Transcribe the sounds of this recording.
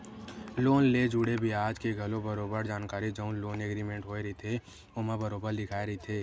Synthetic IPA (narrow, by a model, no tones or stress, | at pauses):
loːnleːd͡ʒuɽebʱiaːd͡ʒkeɡʱɐlõbɐɾoːbəɾd͡ʒaːnkaːɾid͡ʒɐ̃ʊ̃nloːneːɡɾiːmẽɳʈɦoːeɾit̪ʰe | ʊmabɐɾoːbəɾlɪkʰaːeɾɐit̪ʰeː